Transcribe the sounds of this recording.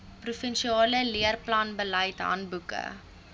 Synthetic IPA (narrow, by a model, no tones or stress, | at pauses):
prufɛnʃiɑːləliərplɐnbələjtɦɐ̰nbukə̰